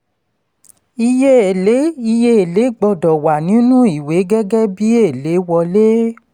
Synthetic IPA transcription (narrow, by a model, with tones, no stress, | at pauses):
i˧je˦e˨le˨˦i˧je˦e˨le˨˦ɡ͡bɔ˧dɔ˨wa˨nĩ˨˦nũ˦i˦˨we˨˦ɡɛ˦ɡɛ˦bi˦e˦˨le˨˦wɔ˧le˦